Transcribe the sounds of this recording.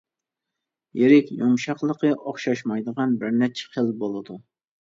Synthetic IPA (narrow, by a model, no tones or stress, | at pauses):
jeɾɪkʲjomʃɑqlˠəqəʔɑχʃɑʃmɑjd̪əʁɑnbɪɾnɛt͡ʃʰɛ̥qʰəlˠbolˠɨd̪u